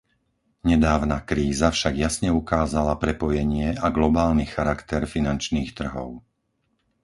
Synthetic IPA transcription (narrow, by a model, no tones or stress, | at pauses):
ɲɛd̪aːʊnakɾiːzafʃaɡjasɲɛukaːzalapɾɛpɔjɛɲɪɛaɡlɔbaːlnixaɾakt̪ɛɾfinant͡ʃniːxt̪r̩ɦɔʊ